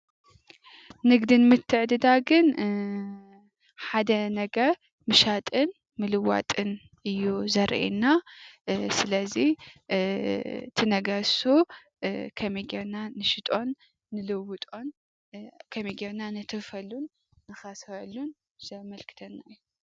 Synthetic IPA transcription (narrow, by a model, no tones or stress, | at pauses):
nɨɡd̪inmɨt̪ʰːɨʕd̪ɨd̪aɡɨn | ħad̪ɐnɐɡɐɾ | mɨʃat̪ʼɨn | mɨlɨwa̰t̪ʼɨn | ʔɨjːuzɐɾʔḛnːa | sɨlɐzi | t̪ʰɨnɐɡɐsu | kʰɐmiɡenanɨʃɪt̪ʼo̞nː | ɨlɨwɨt̪ʼo̞n | kʰɐmiɡenanɨt̪ʰɨfɐlːunː | ɨxɐsɐlːun | z̥ɐmɐlkʰɨ̥t̪ʰɐnːa̰jːu